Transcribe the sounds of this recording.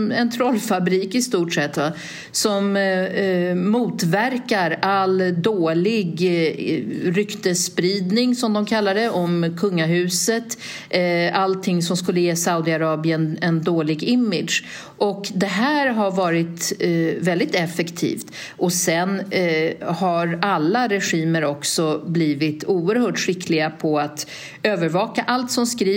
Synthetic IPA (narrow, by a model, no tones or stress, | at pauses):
ɛnt̪ʰɾɔlːfabɾiːkɪst̪uːʈʂɛt̪ːva | sɔm | uːt̪væɾkaɾald̪oːlɪɡ | ɾʏkt̪əspɾiːd̪nɪŋsɔmd̪ɔmkʰalːad̪əʔɔmkʰɵŋːaɦʉ̟ːsət̪ | alt̪ʰɪŋsɔmskɵlːəjeːsaʊd̪ɪaɾɑːbɪənɛnd̪oːɭɪɡɪmːɪd̪ʂ | ʔɔkd̪ɛɦæːɾɦaɾvɑːɾɪt̪vɛld̪ɪt̪ɛfɛkt̪ʰḭːft̪ | ʔɔsɛn | haɾalːaɾɛɧiːməɾɔksɔbliːvɪt̪uːəɾhœːʈɧɪklɪɡapʰɔat̪ | øːvəɾvɑːkaʔalt̪sɔmskɾiː